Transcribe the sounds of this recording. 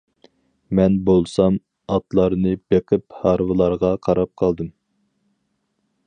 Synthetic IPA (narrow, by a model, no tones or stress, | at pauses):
mɛnbolˠsɑm | ɑt̪lˠɑɾnɨb̥eqʰɨphɑɾvɨlˠɑɾʁɑqʰɑɾɑp̚qʰɑlˠd̪ɨm